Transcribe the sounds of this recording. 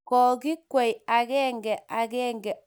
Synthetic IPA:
kɔ˨ɡi˦kwɛ˨ja˨ɡɛ˦ŋɡɛ˨a˨ɡɛ˦ŋɡɛ˨

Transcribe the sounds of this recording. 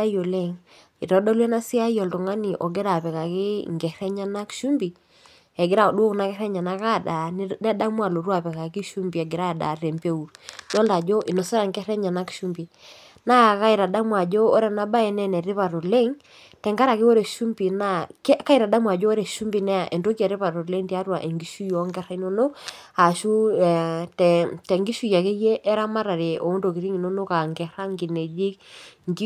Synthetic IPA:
a˦jo˨le˦˨ŋ | i˨tɔ˨˦dɔ˦lwɛ˦na˦sɪ˦a˦jɔ˨ltɔ˨ŋa˦ni˨ʔɔ˨ɡe˦ɾa˨pɛ˨ka˨kɪ˦ŋɡɛ˨ɾɛ˦ɲa˦na˦kʃu˦mbi˨ | ɛ˨ɡɪ˦ɾa˦˨ɔ˨ɗwo˦kna˦kɛ˦ɾɛ˦ɲa˨na˦ka˦˨da˨nɛ˦da˦mwa˨lo˨ɾwa˦˨pɛ˨ka˨kɪ˦ʃu˦mbi˨ɛ˨ɡɪ˨ɾa˦˨da̰˨ɾɛ˨mpe˦u˨ɾdɔ˦lda˨d͡ʒo˦ʔɪ˨nɔ˨sɛ˦ɾa˨ŋɡɛ˦ɾɛ˦ɲa˨na˦kʃu˦mbi˨ | na˦ka˦i˨ɾa˨da˦mwa˨d͡ʒoː˦ɾɛ˨na˦ba˦ɛ˨nɛ˨nɛ˨ɾɪ˦pa˨ɾo˨le˦ŋ | tɛ˨ŋɡa˦ɾa˨kɪ˦o˦ɾe˨ʃu˦mbi˨na˦kka˦i˨ɾa˨da˦mwa˨d͡ʒo˦o˦ɾɛ˨ʃu˦mbi˨nɛ˦a˨ʔe˨nto˦ki˦a˨ɾɪ˦pa˨ɾo˨le˦ŋti˦a˦twa˨ʔe˨ŋɡi˨˦ʃu˦jɔ˨˦ŋɡɛ˦ɾa˦i˦no˦no˦ | a˨ʃu˦˨ | tɛ˨tɛ˨ŋɡi˦ʃu˦ja˨ke˦je˦ʔɛ˦ɾa˦ma˦ɾa˨ɾe˨ʔo˨˦ndo˨kɪ˨ɾi˦ŋi˨no˦no˦ka˨ŋɡɛ˨ɾa˦ŋɡi˨ne˨d͡ʒi˦kŋɡi˦

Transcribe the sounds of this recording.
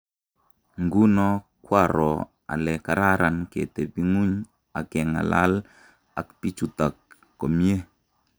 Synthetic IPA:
ŋɡu˦nɔ˦kwa˦˨ɾɔ˨ | a̰˨lɛ˨ka˨ɾa˦ɾa˨nkḛ˨t̪e˨pi˦ŋu˦ɲ | a̰˨kɛ˨ŋa̰˨la̰˦l | a˨kpi˦t͡ʃu˨t̪a˨kː | ɔ˨mje˦

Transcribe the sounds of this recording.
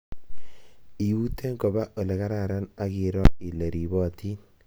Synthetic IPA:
i˨ju˦te˦ŋɡɔ˨ba˦ʔo˨lɛ˨ka˦ɾa˦˨ɾa˦na˦ɡɪ˨ɾɔ˦ɪ˨le˨ɾi˨bɔ˦˨tʰi˦n

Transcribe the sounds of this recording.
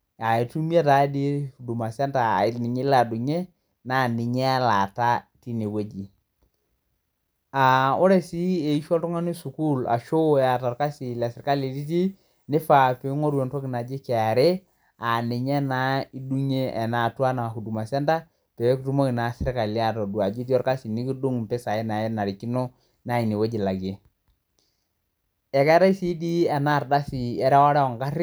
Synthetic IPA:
a˨i˨tu˦m˦e˦ta˨˦di˦hu˨du˨ma˨sa˦nta̰˨i˨nɪ˨ɲe˦la˨du˨ɲe˦ | na˨nɪ˨ɲɛ˦a˦la˨ta˦ti˦ne˨we˦d͡ʒi˨ | a˨o˦ɾe˦si˦e˨i˦ʃɔ˦ltɔ˦ŋa˦ni˦su˨ku˦˨la̰˨ʃo˦a˨ta˨ɾka˦si˨la˨sɪ˨ɾka˦le˨ti˦t̬i˦ | nɪ˦fa˨pe˨˦ŋɔ˦ɾjɔ˨ntɔ˦kɪ˨na˨d͡ʒɪ˦kɛ˨a˨ɾe˦ | a˨nɪ˨ɲɛ˦na˨˦i˦du˦ɲe˦ʔɛ˨na˨twa˦na˨ku˨du˨ma˨sɛ˦nda˦ | pɛ˨˦ktu˦mo˦kɪ˨na˨sɪ˦ɾka˨li˨˦a˦˨tɔ˨du˨a˨d͡ʒi˦tɔ˦ɾka˦si˨ni˦ki˦du˦ŋtɛ˦sa˨ɛ˦na˨ɛ˦na˨ɾi˨ki˦nɔ˦ | na˦˨i˨ni˨we˦d͡ʒi˨la˨ɡe˨˦ | ɛ˨kɛ˦ɾa˦i˦si˦di˦ɛ˨na˦˨ɾda˦si˨ɛ˦ɾɛ˦wɔ˦ɾɛ˦ɔ˨ŋka˦ɾɪ˦

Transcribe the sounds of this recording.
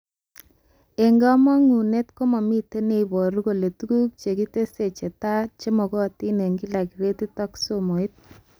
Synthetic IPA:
e˨ŋɡa˦mɔ˦ŋu˨ne˦tko˦ma˨mi˦te˦ne˦bɔ˨ɾu˦ko˨le˨tu˦ku˦k̚t͡ʃe˨ki˦te˦se˨t͡ʃe˨ta˦t͡ʃe˦mɔ˨kɔ˦˨ti˦ne˨ŋɡi˦la˨ki˨ɾe˦ti˦tɔ˦kso˦mo˨i˦t̚

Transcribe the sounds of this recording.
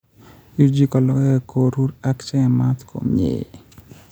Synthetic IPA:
i˦d͡ʒi˦kɔ˨lɔ˦ɛ˦˨ko˨ɾu˦ɾa˦kt͡ʃɛ˦n˨mat̪kʰo̰˨mḛ˨

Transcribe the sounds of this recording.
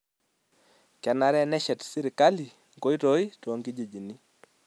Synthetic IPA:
kɛ˨na˨ɾɛnɛ˦ʃɛ˨tsi˦ɾi˨ka˦li˨ | ŋɡo˦i˦tɔ˦i˦tɔ˨ŋɡi˦d͡ʒi˨d͡ʒi˨ni˦

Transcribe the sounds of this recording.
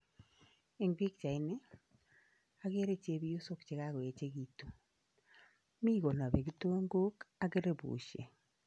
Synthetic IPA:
e˨ŋɡi˦kt͡ʃa˨i˦ne˦ | a˦ɣe˦ɾe˦t͡ʃe˦βi˦ju˦so˦kt͡ʃe˨ɣa˦ɣɔ˨e˨t͡ʃe˦ɣi˨to˨ | mi˦ɣo˨na˨βe˨kɪ˦to˦ŋɡo˦ka˦ke˦ɾe˦bṵː˨ʃḛ˨

